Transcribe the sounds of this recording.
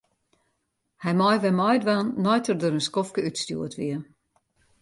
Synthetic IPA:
hɛjmɔjʋɛmɔjdʋanːɔjtərdøɾənskɔfkəytstṵətʋiə

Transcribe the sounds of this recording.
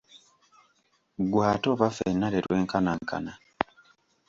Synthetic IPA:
ɡwaːtoβafenːaletwe̞ːŋkanaŋka̰na

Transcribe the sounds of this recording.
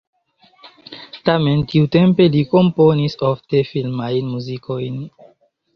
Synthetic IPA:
tame̞ntiutempe̞liko̞mponisofte̞filmajnmuziko̞jn

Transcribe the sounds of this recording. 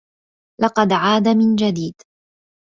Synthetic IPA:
lɑqɑd̪ʕaːd̪amɪnd͡ʒad̪iːd̪

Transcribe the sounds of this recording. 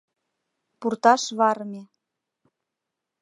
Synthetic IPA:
purt̪ɑʃβɑɾme

